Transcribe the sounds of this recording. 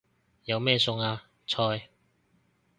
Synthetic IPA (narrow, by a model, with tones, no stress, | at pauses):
jɐ˨˧wmɛː˥˧sʊ˧ŋaː˧ | t͡sʰɔː˧j